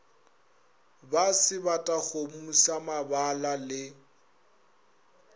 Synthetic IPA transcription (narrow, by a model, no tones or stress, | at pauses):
basɪbatʼaɣomusamabalalɪ